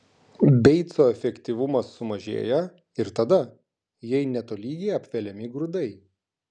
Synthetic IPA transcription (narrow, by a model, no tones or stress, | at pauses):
bʲɛɪt̪soːɛfʲɛkʲt̪ʲiʋʊmɐsːʊmɐʒʲḛːjɛ | ɪɾt̪ɐd̪ɐ | jɛɪnʲɛt̪oːlʲiːɡʲɛɪɐpʲʋʲɛlʲɛmʲɪɡɾʊd̪ɐɪ